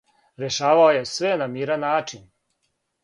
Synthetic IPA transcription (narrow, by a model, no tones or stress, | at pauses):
ɾeʃaːʋaoje̞sʋenamiːɾanaːt͡ʃin